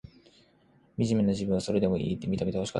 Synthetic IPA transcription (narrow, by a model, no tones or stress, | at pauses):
mʲiʑimenoʑibɯ̟̃βaso̞ɾe̞d̪e̞mo̞ʔḭːt̪ːemʲit̪amʲit̪ehoɕi̥ka̰